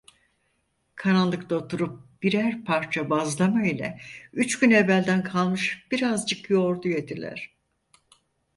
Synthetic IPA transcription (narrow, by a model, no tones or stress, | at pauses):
kʰanalˠːɯkt̪ˠaot̪ʰuɾup̚b̥iɾæɾpʰaɾt͡ʃʰabazlˠamailʲɛ̰yt͡ʃɟynevælʲd̪ænkʰalˠmɯʃb̥iɾazd͡ʒɯkjo̞ɾd̪ujet̪ʰilʲæ̰ɾ̥